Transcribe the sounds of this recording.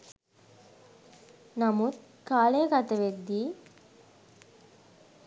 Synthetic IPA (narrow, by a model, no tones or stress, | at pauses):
nɐmut̪̚ | kaːlejkɐt̪əʋed̪ːiː